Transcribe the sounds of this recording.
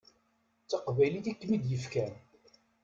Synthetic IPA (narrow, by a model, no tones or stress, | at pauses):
t͡sːəqvæjliθikːmid̪jəfkæn